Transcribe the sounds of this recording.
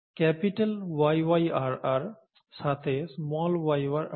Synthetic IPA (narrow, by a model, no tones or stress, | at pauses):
kɛpiʈelwajwajaɹaɹ | sat̪ʰesmɔlwajwaɾ